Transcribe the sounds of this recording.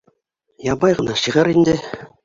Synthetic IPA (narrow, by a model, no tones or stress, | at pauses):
jɑbɑjʁɤ̆nɑʃiʁɤ̆ɾind̪ɘ̆